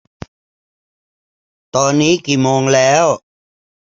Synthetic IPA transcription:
t̪ɔː˧nːiː˦˥kiː˨˩moː˧ŋlɛː˦˥w

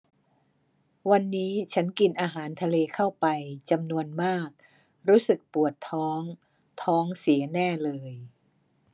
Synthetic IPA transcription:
wa˧nːiː˦˥t͡ɕʰa˦˥nki˧nʔaː˧ɦaː˩˦nt̪ʰa˧leː˧kʰa˥˩wpa˧jt͡ɕa˧mnu˧ənmaː˥˩k̚ | ɾuː˦˥sɯ˨˩k̚pu˨˩ət̪ʰːɔː˦˥ŋ | t̪ʰɔː˦˥ŋsi˩˦ɐnɛː˥˩lɤː˧j

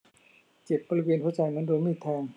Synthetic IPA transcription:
t͡ɕe˨˩p̪̚bɔː˧ɾi˧weː˧nt̪u˧˥˨t͡ɕa˧jna˧˥ndoː˧miː˧˥˩t̪ʰɛː˧ŋ

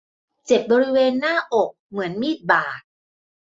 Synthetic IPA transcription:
t͡ɕe˨˩p̚bɔː˧ɾi˦˥weː˧nːaː˥˩ʔo˨˩k̚mɯ˩˦ənmiː˥˩t̪̚baː˨˩t̪̚

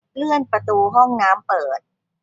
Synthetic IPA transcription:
lɯ˥˩ənpɾa˧t̪uː˧ɦɔ˥˩ŋnaː˦˥mpɤː˨˩t̪̚

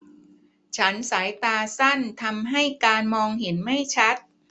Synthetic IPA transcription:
t͡ɕʰa˦˥nsaː˩˦jt̪aː˧sa˥˩nt̪ʰa˧mɦa˥˩jkaː˧nmɔː˧ŋhe˩˦nma˥˩jt͡ɕʰa˦˥t̪̚

